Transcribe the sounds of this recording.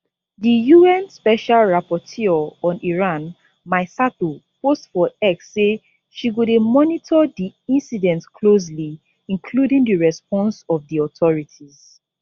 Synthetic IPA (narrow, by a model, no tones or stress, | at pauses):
dijuɛ̃nspɛʃalɹapɔtʰiɔ̃niɹãn | maɪsatupostfɔɛksːe | ʃiɡodemɔnitʰɔdiĩnsidɛ̃ntkʰlos̬li | ĩnkʰludĩŋdəɹɛspɔ̃nsɔvdiɔtʰɔɹitʰiz̥